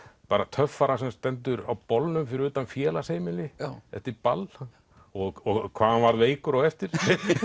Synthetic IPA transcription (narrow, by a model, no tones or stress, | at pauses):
paːɾat̪ʰœfːaɾasɛmst̪ɛnt̪ʏɾa̰wpɔlnʏmfɪɾɪɾʏːt̪anfjɛːlaseːjmɪlɪɛ̰ft̪ɪɾpal | ɔɣɔɣkʰvaːanvaɾðveːjkʏɾɔɣɛft̪ɪɾ̥